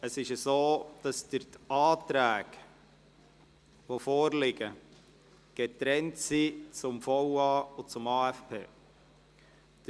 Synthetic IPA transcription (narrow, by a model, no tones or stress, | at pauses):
əsɪʃəsoːd̥ɑsd̥əɾtɑːtɾæːk | ʋofoːɾlɪɡə | ɡ̥ɛtɾɛntsit͡sʊmfɔwɑːʊt͡sʊmɑːɛfpʰḛː | d̥